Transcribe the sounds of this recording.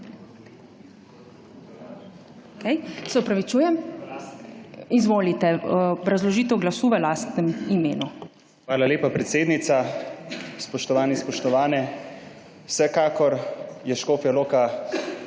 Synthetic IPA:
okejsɛɔpɾaʋit͡ʃuːjɛm | izʋoːlit̪ɛbɾazlɔʒiːt̪ɛwɡlasuːʋəlaːst̪nɛmimeːnu | xʋaːlaleːpapɾɛt̪seːd̪nit̪sa | spɔʃt̪ɔʋaːnispɔʃt̪ɔʋaːnɛ | wsɛkaːkɔɾjɛʃkoːpjaloːka

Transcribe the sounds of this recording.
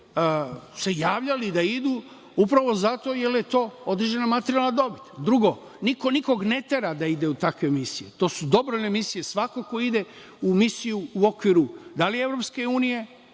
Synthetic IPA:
əse̞jaːʋʎalid̪aid̪uː | upɾaʋo̞zat̪o̞jeljet̪o̞ːod̪ɾe̞d͡ʒe̞namat̪eɾijalnad̪o̞bit̪d̪ɾuɡo̞ | niko̞niko̞ɡne̞t̪e̞ɾad̪aid̪e̞ut̪akʋe̞misijet̪o̞ːsud̪o̞bɾojnemisijesʋako̞ko̞id̪e̞ | umisijuːo̞kʋiɾud̪alievɾo̞pske̞uːnije̞

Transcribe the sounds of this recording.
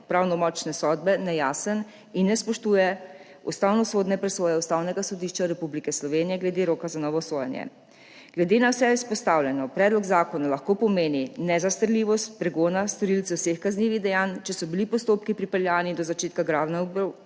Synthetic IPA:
pɾawnɔmɔt͡ʃnɛsɔd̪̚bɛnɛjaːsən | inːɛspɔʃt̪uːjɛ | ust̪awnɔsod̪nɛpɾɛsoːjɛust̪awnɛɡasɔd̪iʃt͡ʃaɾɛpublikɛslɔʋenijɛɡlɛd̪eɾoːkazanɔʋɔsojɛ̰njɛ̰ | ɡ̥lɛd̪enawsɛispɔst̪awljɛnɔpɾɛːd̪lɔɡzaːkɔnalaxkopɔmeːninɛzast̪əɾliʋɔst̪̚pɾɛɡoːnast̪ɔɾilt̪sɛwsexkazniːʋiɣd̪ɛjaːnt͡ʃɛsɔbilipɔst̪oːpkipɾipɛljaːnid̪ɔzat͡ʃeːt̪kaɡɾawnab

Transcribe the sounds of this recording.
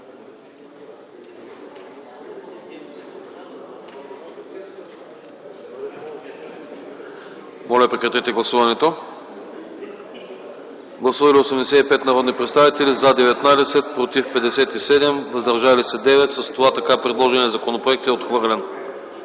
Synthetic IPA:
mɔlʲɐpɾɛkɾɐt̪ɛt̪ɛɡlˠɐsuvɐnɛt̪o | ɡlˠɐsuvɐlʲiosɛmd̪ɛsɛt̪ipɛt̪nɐɾɔd̪nipɾɛt̪st̪avit̪ɛlizad̪ɛvɛt̪nad̪ɛsɛt̪̚pɾot̪ifpɛd̪ɛsɛt̪isɛd̪ɛmvəzd̪ɐɾʒalisɛd̪ɛvɛt̪sɐst̪ovat̪ɐkapɾɛd̪lˠɔʒɛnʲiɛzɐkonopɾoɛk̚t̪ɛot̪xvɤɾlʲɛn

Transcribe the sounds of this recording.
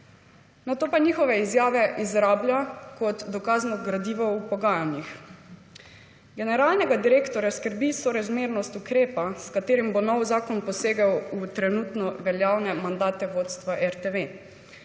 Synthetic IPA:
nat̪oːpaɲiːxɔʋɛizjaːʋɛʔizɾaːbljakɔt̪d̪ɔkaːznɔɡɾad̪iːʋɔwpɔɡaːjanjix | ɡɛnɛɾaːlnɛɡad̪iɾeːkt̪ɔɾjaskəɾbisɔɾazmeːɾnɔst̪ukɾeːpaskat̪eːɾimbonɔwzaːkɔnpɔseːɡawut̪ɾɛnuːt̪nɔʋɛljaːwnɛmand̪aːt̪ɛʋoːt̪st̪ʋaʔɛɾt̪eʋe

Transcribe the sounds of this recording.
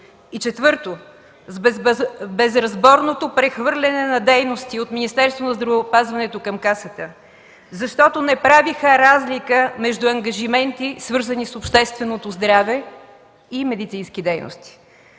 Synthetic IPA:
it͡ʃɛt̪vɤɾt̪o | z | bɛzɾɐzbɔɾnot̪opɾɛxvɤɾlʲɛnɛnɐd̪ɛjnost̪iot̪minist̪ɛɾst̪vonɐzd̪ɾɐvɛopazvɐnɛt̪okɐmkasət̪ə | zɐʃt̪ɔt̪onɛpɾavixəɾazlʲikəmɛʒd̪uɐŋɡɐʒimɛnt̪isvɤɾzənisopʃt̪ɛst̪vɛnot̪ozd̪ɾavɛ | imɛd̪it̪sinskʲid̪ɛjno̰st̪i̥

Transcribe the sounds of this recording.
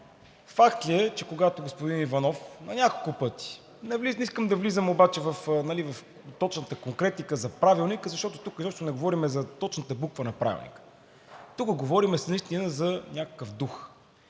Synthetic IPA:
fakt̪liɛt͡ʃɛkoɡat̪oɡospʊd̪inivɐnɔfnɐnʲakolˠkʊpɤt̪i̥ | nɛvliniskəmd̪ɐvlizəmobat͡ʃɛvɐfnɐlivɐf | t̪ɔt͡ʃnət̪əkoŋkɾɛt̪ikəzɐpɾavilˠnikəzɐʃt̪ɔt̪o̥t̪ukizɔʃt̪onɛɡovɔɾimɛzɐt̪ɔt͡ʃnət̪əbukvənɐpɾa̰vḭlˠnʲḭkə̥ | t̪ukəɡovɔɾimɛsniʃt̪inəzɐnʲakə̥kəvd̪ux

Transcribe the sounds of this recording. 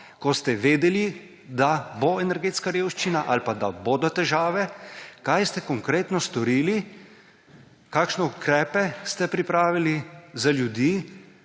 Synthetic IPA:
kɔst̪ɛʋeːd̪ɛli | d̪aboɛnɛɾɡeːt̪skaɾeːwʃt͡ʃinaʔalpad̪a̰boːd̪ɔt̪ɛʒaːʋɛkajst̪ɛkɔŋkɾeːt̪nɔst̪ɔɾiːli | kaːkʃnɛukɾɛːpɛst̪ɛpɾipɾaːʋilizaljud̪iː

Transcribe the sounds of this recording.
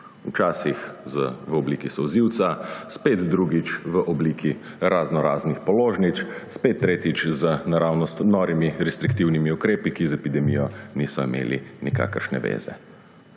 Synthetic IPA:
ut͡ʃaːsixzəʋəɔbliːkisɔwziwt̪saspeːt̪d̪ɾuɡit͡ʃʋəʔɔbliːkʰi | ɾaznɔɾa̰ːznixpɔloːʒnit͡ʃ̪spet̪ːɾeːt̪it͡ʃzənaɾaːwnɔst̪nɔɾimiɾɛst̪ɾikt̪iwnimiukɾeːpikizɛpid̪ɛmijɔnisɔimḛːlḭnika̰ːkəɾʃnɛ̰ʋḛːzɛ̰

